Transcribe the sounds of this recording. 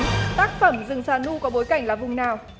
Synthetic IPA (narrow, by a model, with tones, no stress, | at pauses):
t̪aː˦˥k̚fə˧˩mzɨ˨˩˨ŋsaː˧˩nu˧kɔ˨˦ɓo˨˦jka˧˩jŋ̟laː˨˩vʊ˨˩ŋ͡mnaː˨˩w